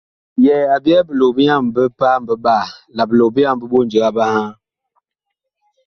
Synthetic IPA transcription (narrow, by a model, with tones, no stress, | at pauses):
jɛ˨a˨bi˦ɛ˦bə˨lo˨bi˦ja˦˨m˨bə˦pa˦m̩˨bə˦ba˦˨la˨bə˨lo˨bə˦ja˦˨m˨bə˦ɓo˦n˨d͡ʒə˨ɡa˦ba˦ha˦